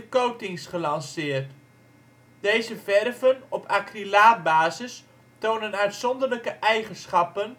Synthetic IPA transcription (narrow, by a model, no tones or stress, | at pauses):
əkowtɪŋsχəlɑnsɪːrt | d̥ejzəvɛrvənɔpʰakrilaːt̚baːzəs | townənœɥtsɔndərləkəʔɛjχənsχɑpən